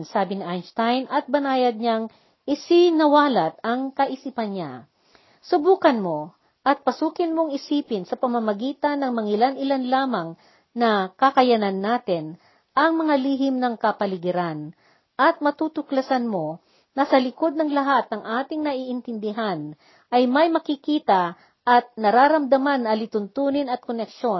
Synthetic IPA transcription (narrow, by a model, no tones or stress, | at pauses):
nsaːbɪnɪʔajnst̪ajnʔɐt̪̚bɐnaːjɐd̪̚ɲaŋ | ʔɪsɪnɐwaːlɐt̪̚ɐŋkɐʔɪsiːpɐnɲa̰ | sʊbuːkɐnmo̞ | ʔɐt̪̚pɐsuːkɪnmo̞ŋɪsiːpɪnsɐpɐmɐmɐɡiːt̪ɐnːɐŋmɐŋɪlanʔɪlanlaːmɐŋ | nɐkɐkɐjɐnanːaːt̪ɪn | ʔɐŋmɐŋaliɦɪmnɐŋkɐpɐlɪɡɪɾan | ʔɐt̪̚mɐt̪uːt̪ʊklɐsanmo̞ | nɐsɐlɪko̞d̪̚nɐŋlɐɦat̪̚nɐŋʔaːt̪ɪŋnɐʔiːʔɪnt̪ɪnd̪ɪɦan | ʔɐjmɐjmɐkɪkiːt̪ɐ | ʔɐt̪̚nɐɾaːɾɐmd̪ɐmanːɐlɪt̪ʊnt̪uːnɪnɐt̪̚konɛkʃo̞n